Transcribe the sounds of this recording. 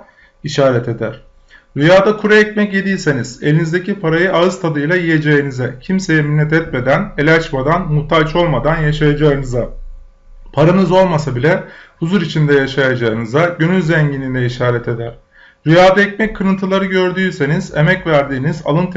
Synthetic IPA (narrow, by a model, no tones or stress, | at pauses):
iʃaːɾɛt̪ʰe̞d̪æɾ̥ | ɾyjaːd̪akʰuɾaɛc̚mɛcje̞d̪ijse̞niz̥e̞̰lʲinizd̪e̞cʰipʰaɾajɯʔaɯz̥t̪ʰad̪ɯjlˠajije̞d͡ʒejinizɛcʰimse̞jɛminːɛt̪ʰɛt̪me̞d̪æne̞lʲɛat͡ʃmad̪anmut̪ʰalʲt͡ʃo̞lˠmad̪anjaʃajad͡ʒaɯnɯza | pʰaɾanɯzo̞lˠmasabilʲɛhuzuɾit͡ʃʰind̪ɛjaʃajad͡ʒaɯnɯzaɟønyzzɛɲɟinind̪ɛiʃaːɾɛt̪ʰe̞d̪æɾ̥ | ɾyjaːd̪aɛcmɛc̚kʰːɯɾɯnt̪ʰɯlˠaɾɯɟø̞ɾd̪yːse̞niz̥e̞mɛcvæɾd̪iːniza̰lˠɯnt̪ʰ